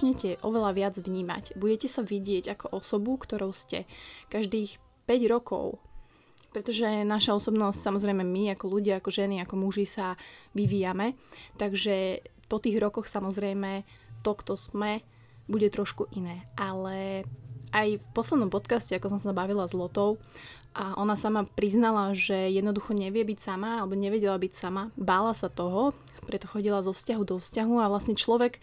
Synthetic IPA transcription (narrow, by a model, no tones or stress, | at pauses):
ɲɛcɛʔɔʋɛlaʋɪad͡zʋɲiːma̰cbuɟɛcɛsaʋiɟɪɛɟakɔʔɔsɔbukt̪ɔɾɔʊscɛ̰kaʒd̪iːx | pɛɟɾɔkɔ̰ʊ | pɾɛt̪ɔʒɛnaʃaɔsɔbnɔscsamɔzɾɛjmɛmiakɔluɟɪaakɔʒɛniakɔmuʒisaʋiʋiːjamɛt̪aɡʒɛpɔt̪iːɣɾɔkɔxsamɔzɾɛjmɛ | t̪ɔkt̪ɔz̥mɛ | buɟɛt̪ɾɔʃkuʔinɛːʔalɛ | ajfpɔslɛd̪nɔmpɔt̪kascɛakɔsɔmsabaʋilazlɔt̪ɔʊ | ʔaʔɔnasamapɾiznalaʒɛjɛd̪nɔd̪uxɔɲɛʋɪɛbicsamaalɛbɔɲɛʋɛɟɛlabicsamabaːlasat̪ɔɦɔ | pɾɛt̪ɔxɔɟilazɔfscaɦud̪ɔfscaɦuaʋlasɲɛt͡ʃlɔʋɛk